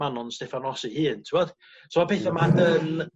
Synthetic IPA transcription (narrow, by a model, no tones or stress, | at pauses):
anɔnstɛfanɔsihiːntʰuwɔd̥ | somapʰeθamadən